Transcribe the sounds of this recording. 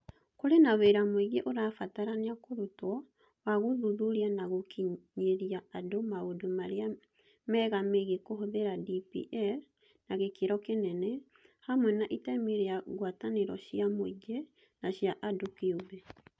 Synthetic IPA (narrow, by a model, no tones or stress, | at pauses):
koɾenaweɾamweɣeʔoɾafataɾaneakoɾotwɔ | waɣoðuðuɾianaɣokʰiɲeɾiaːdomaodomaɾea | mɛːɣameɣekoɦoðeɾadipḭʔɛɾ | naɣekeɾɔkenɛnɛ | hamwɛnaʔitɛmeɾeaɣwataneɾɔ̰ʃiamwiɡe | naʃjaʔadokeubɛ